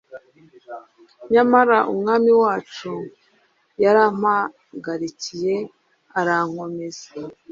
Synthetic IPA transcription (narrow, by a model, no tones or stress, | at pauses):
ɲamaɾaʔṵmŋaːmiwaːt͡ʃu | jaɾaːm̥a | ɡaɾicije̞ | aɾaŋ̥o̞mezḁ